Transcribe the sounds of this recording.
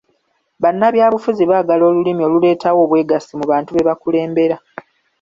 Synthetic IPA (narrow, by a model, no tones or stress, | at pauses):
βanːaβjaːβufuziβaːɡalo̞ːlulimio̞ːlule̞ːtʰawo̞ːβwe̞ːɡasimuβaːntuβe̞βakule̞ːmbe̞ɾa